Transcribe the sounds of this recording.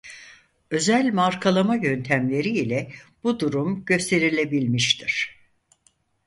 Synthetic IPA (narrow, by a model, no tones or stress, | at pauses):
ø̞zælʲmaɾkʰalˠamajø̞nt̪ʰæmlʲe̞ɾiːlʲɛb̥ud̪uɾumɟø̞st̪ʰe̞ɾilʲe̞bilʲmiʃt̪ʰiɾ̥